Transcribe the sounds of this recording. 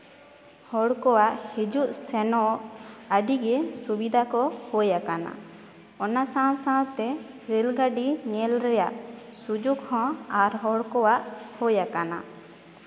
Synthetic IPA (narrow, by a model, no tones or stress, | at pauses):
hɔɽkɔwaʔhed͡ʒuʔsɛnɔaɖiɡɛsubid̪ʱakɔhɔjakana̰ | ɔnasawsãwt̪ɛ | ɾelɡaɖiɲɛlɾɛjaʔsud͡ʒuɡhɔ̃aɾɦɔɽkɔwaʔhɔjakana̰